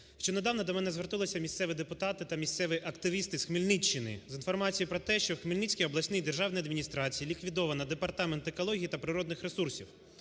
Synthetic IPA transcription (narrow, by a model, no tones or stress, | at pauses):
ʃt͡ʃɔd̪ned̪ɑwnɐd̪ɔmɛnɛzʋert̪ʊlˠɔsʲɐmʲisʲt̪sɛʋɪd̪epʊt̪ɑt̪ɪt̪ɐmʲisʲt̪sɛʋɪʔɐkt̪ɪʋʲist̪ɪsxmilʲnɪt͡ʃːɪnɪ̰zinfɔrmɑt͡sʲijipɾɔt̪ɛʃt͡ʃɔxmʲilnɪt͡sʲkʲijɔblˠɐsʲnɪjd̪erʒɑwnjɐd̪mʲinʲist̪ɾɑt͡sʲijilʲikʋʲid̪ɔʋɐnɐd̪epɐrt̪ɑment̪ekɔlˠɔɦʲijit̪ɐpɾɪɾɔd̪nɪxɾesursʲiw